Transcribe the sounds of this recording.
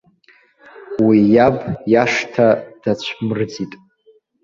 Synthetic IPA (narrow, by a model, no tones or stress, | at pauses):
wijabjaʂtʰad̥at͡ɕʷʰmɨrd͡zitʼ